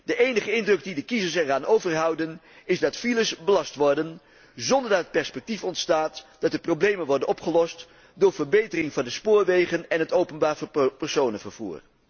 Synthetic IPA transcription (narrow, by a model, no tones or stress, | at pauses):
dəʔejnəχəɪndrɵkdidəkizəsɛraːnowvəɹɦʌwdən | ɪzdɑtfiləsbəlɑstʋɔɹdən | zɔndəɹdɑtɦət̚pɛɹspɛk̚tifɔntstaːtd̥ɑt̚dəprowblejmənʋɔɹdənɔpχəlɔst | dʊːɹvəɹbejtərɪŋvɑndəspʊːɹʋejχənɛnɦətowpənbaːɹvpəɹsownənvəɹv̥ṵːɹ